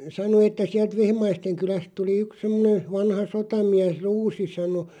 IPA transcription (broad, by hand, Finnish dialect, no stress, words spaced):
sɑno etːæ siælt ʋehmɑisteŋ kylæst tuli yk semːŏnen̞ ʋɑnhɑ sotɑmiæs ruːsi sɑno